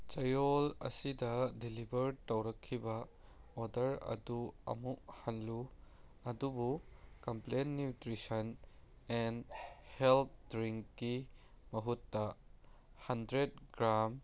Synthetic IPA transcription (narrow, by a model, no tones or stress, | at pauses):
t͡ʃɐjolɐ̰sidɐdilibʱɐɾtɐwɾɐkʰːibɐodɐɾɐ̰duɐ̰muʔhanluɐdubukɐmplenːutɾisɐn | ɛnhelt̪̚ʰdɾiŋkːi | mɐɦutːɐ | hɐndɾed̚ɡɾam